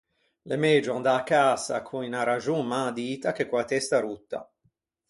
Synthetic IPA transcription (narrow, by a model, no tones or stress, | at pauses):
lemed͡ʒoand̪akːaːsa̰kʰuinaɾad͡ʒumːad̪iːt̪ak̟ekːulat̪ɛst̪aɾut̪ːa̰